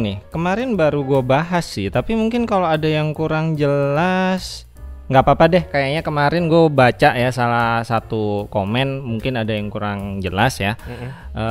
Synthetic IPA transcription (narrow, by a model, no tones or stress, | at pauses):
nɪkəmaɾɪnbaɾuɡuabaɦasɪt̪apimuŋkɪnkaloadajaŋkuɾaŋd͡ʒəlas | ŋɡapapadɛhkajaɲakəmaɾɪnɡuabat͡ʃaʔjasalasat̪ukomɛnmuŋkɪnadajaŋkuɾaŋd͡ʒəlasjaʔə